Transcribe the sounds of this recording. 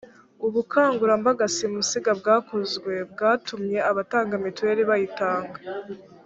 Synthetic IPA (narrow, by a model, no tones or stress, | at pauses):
uβukʰaːŋɡuɾambaɡasimusiɡabɡaːkuzɡwe̞b̚ɡaːtʰumɲe̞aβataːŋɡamitue̞ɾiβajitaːŋɡa